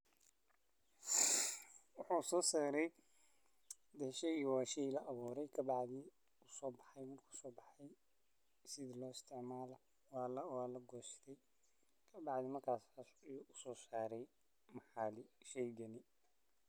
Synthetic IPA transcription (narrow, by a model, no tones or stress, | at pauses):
wʊħusɔːsaːɾɛj | d̪ɛʃɛiːwaːʃɛjlɐʔɐβuːɾɛjkʰɐbɑʕðɪ | ʊsɔːbɑ̥ħɑjmɐrkʰu̥sɔːbɑħɑj | sɪðɪlɔːɪst̪ʰɪʕmaːlɐ | wɑːlwaːlɐɡɔːst̪ʰɛj | kʰɐbɑʕd̪ɪmɐrkʰaːsasjuʔʊsɔːsaːɾɛj | mɑħɑːlɪʃɛjɡɐnɪ